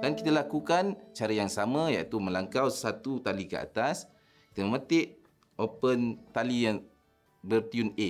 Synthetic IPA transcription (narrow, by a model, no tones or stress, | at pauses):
dankit̪alakukant͡ʃaɾajaŋsamãjait̪umə̃laŋkawsat̪ut̪alikə̰a̰t̪as | ki̥t̪əməmãt̪ɪʔ | ʔopənt̪alijaŋ | bərt̪june